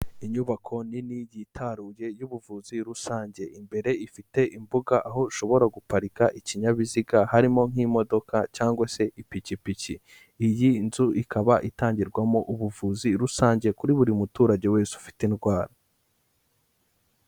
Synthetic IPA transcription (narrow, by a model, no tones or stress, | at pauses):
iɲuβakʰo̞ninijitʰaɾuje̞juβuvuːziɾusaːɲɟe̞ʔimbe̞ɾe̞ifite̞ʔimbuɡaʔaɦo̞ʃo̞βo̞ɾaɡupaɾikaʔiciɲaβiziɡahaɾimo̞ŋ̥imo̞do̞kacaːŋɡwase̞ʔipicipici | ijinzuʔikʰaβaʔitaːɲɟiɾɡwamo̞ʔuβuvuːziɾusaːɲɟe̞kuɾiβuɾimutuːɾaɟe̞we̞ːsu̥fi̥tinɡwaːɾa